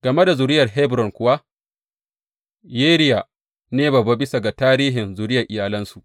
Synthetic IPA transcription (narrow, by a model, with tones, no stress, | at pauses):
ɡ̥ɐ˨me˦da˨zʊ˨ɾɪ˦jɐ˨rɦɛ˦bɾɔ˨ŋkʷʊ˦wa˦ | jeː˦ɾɪ˦ja˨ | neː˦ba˨ba˦bɪ˦sa˨ɡa˨taː˦ɾiː˦ɦɪ˨nzʊ˨ɾɪ˦jɐ˨ʔɪ˨jaː˨lɐ˦nsu˨ʔ